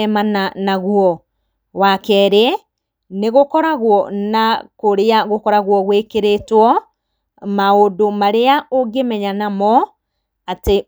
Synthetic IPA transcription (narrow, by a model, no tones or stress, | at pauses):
ɛmananaɣwɔ | wakɛɾe | neɣokɔɾaɣwɔnakoɾeaɣokɔɾaɣwɔɣwekeɾetwɔ | maodomaɾeaoɡemɛɲanamɔ | ate